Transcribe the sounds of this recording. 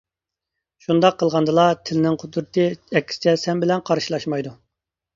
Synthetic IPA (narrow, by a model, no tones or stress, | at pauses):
ʃund̪ɑqʰːəlˠʁɑnd̪ɨlˠɑt̪ʰɪlɪnɪŋqʰod̪ɾɨt̪ʰɨɛkʲʰːi̥sɪ̥t͡ʃʰɛsɛmbɪlɛnqʰɑɾʃilˠɑʃmɑjd̪u